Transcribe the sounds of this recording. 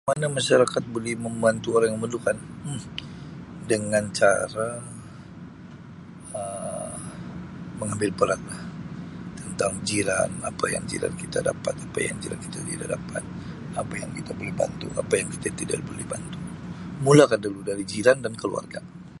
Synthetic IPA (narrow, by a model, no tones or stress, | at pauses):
manamaʃaɾakat̪̚bolɛhməmbant̪uoɾaŋjməmənukan̩ | dəŋant͡ʃa̰ɾa | ə | məŋambɪlpəɾat̪̚laht̪ənt̪aŋd͡ʒiɾa̰napaja̰ŋd͡ʒḭla̰nkit̪ada̰pat̪apa̰ja̰ŋd͡ʒila̰nki̥t̪at̪idaʔdapa̰t̪̚ | apajaŋkit̪abolɛhba̰nt̪ṵa̰pajaŋkit̪at̪ida̰ʔbolɛhbant̪umulakanduludaɾid͡ʒilandankəlṵa̰rɡa